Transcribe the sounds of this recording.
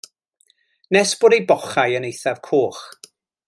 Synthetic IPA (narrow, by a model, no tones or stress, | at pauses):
nɛsb̥oːdejbɔχajənejθavkʰoːχ